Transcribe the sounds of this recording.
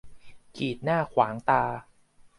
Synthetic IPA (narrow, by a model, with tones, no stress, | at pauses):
kiː˨˩t̪̚naː˥˩kʰwaː˩˦ŋt̪aː˧